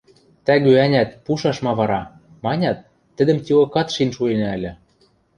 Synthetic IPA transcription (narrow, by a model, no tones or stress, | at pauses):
t̪æɣøænʲæt̪̚puʃɑʃmɑβɑɾɑ | mɑnʲɑt̪ː | ɘ̆d̪ɘ̆mt̪ʲilŏkɑt̪ʃinʃuenæɘ̆lʲɘ̆